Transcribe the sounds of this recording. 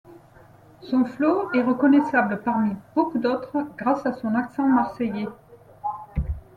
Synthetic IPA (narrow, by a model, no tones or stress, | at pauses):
sɔ̃floɛʁəkɔnɛsabləpaʁmib̥okud̪ot̪χəɡʁasasɔ̃naksɑ̃maʁsɛje